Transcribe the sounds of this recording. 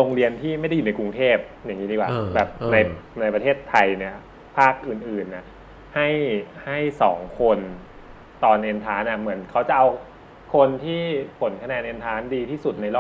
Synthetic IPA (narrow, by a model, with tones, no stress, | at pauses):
ɾoː˧ŋɾi˧ənt̪ʰiː˥˩ma˥˩jda˥ju˨˩na˧jku˧ŋt̪ʰeː˥˩p̚ja˨˩ŋːiː˦˥diː˧kwaː˨˩bɛː˨˩p̚na˧jna˧jpɾa˧t̪ʰeː˥˩t̪ʰːa˧jni˥˩ɐ | pʰaː˥˩k̚ʔɯː˨˩nʔɯː˨˩nːa˧˩ | ha˥˩jha˥˩jsɔː˩˦ŋkʰo˧n | t̪ɔː˨˩nʔe˧nt̪ʰaː˦˥nʔa˧˩mɯ˩˦ənkʰa˦˥wt͡ɕa˨˩ʔa˧w | kʰo˧nt̪ʰiː˥˩pʰo˩˦nkʰa˧nɛː˧nʔeː˧nt̪ʰaː˦˥ndiː˧t̪ʰiː˥˩su˨˩t̪̚na˧jlɔː˥˩